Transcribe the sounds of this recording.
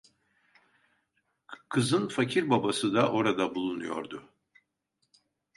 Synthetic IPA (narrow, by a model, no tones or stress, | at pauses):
kʰɯzɯnfacʰiɾbabasɯd̪aʔo̞ɾad̪abulˠunujo̞̰ɾd̪ʊ